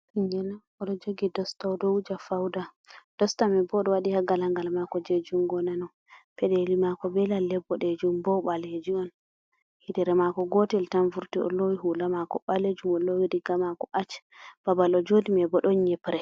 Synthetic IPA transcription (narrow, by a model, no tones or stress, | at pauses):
tiɲɡɛna | ɔɗɔd͡ʒoɡidɔstadɔd͡ʒafawda | d̥ɔstamɛbɔɗɔwaɗihaɡalaŋɡalmakɔd͡ʒed͡ʒuŋɡɔnanɔ | pɛɗɛlimakɔbɛlalːɛbːɔɗɛd͡ʒumbɔɓaled͡ʒiɔn | hidɛɾɛmakɔɡɔtɛltanvuɾtiʔɔ̰lowiɦulamakɔɓaled͡ʒumɔlowidiɡamakɔʔat͡ʃb̥abalɔd͡ʒodimɛbɔɗɔnɲɛpɾɛ